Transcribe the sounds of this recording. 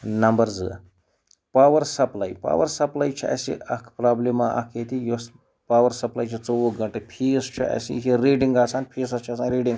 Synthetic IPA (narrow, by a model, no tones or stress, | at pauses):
nɐmbɐɾd͡zɨ | paːʋɐɾsɐplaːjpa̰ːʋɐɾsɐplaːjt͡ʃʰiɐ̰sḭɐkʰpɾaːblimaʔɐ̰kʰet̪ijos | paːʋɐɾsɐplaːjt͡ʃʰit͡sowoɡɐɳʈepʰiːst͡ʃʰḭʔɐ̰sḭɦiɾiːɖiŋɡaːsaːnpʰiːsɐst͡ʃʰiɐsʰaːnɾiːɖiŋɡ